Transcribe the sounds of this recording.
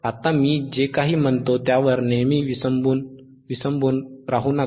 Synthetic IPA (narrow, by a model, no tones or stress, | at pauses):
at̪amiːd͡ʑekaɦiːm̤ənt̪ot̪jaʋəɾnemiːʋisəmbun | ʋisəmbuːnɾaɦuːna